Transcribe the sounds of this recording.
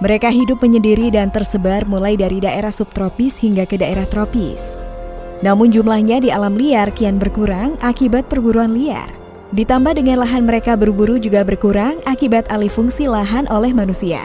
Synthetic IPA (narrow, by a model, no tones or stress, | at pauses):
məɾekaɦidʊp̚məɲədiɾidant̪ərsəbarmulajdaɾidaʔeɾahsup̚t̪ɾopɪshiŋɡakədaeɾaht̪ɾopḭs | namʊnd͡ʒumlahɲadialamliarkianbərkuɾaŋʔakibat̪̚pərbuɾuanlia̰r | dit̪ambahdəŋanlaɦanməɾekabərbuɾud͡ʒuɡabərkuɾaŋakibat̪alifuŋsilaɦanʔolɛhmanusia̰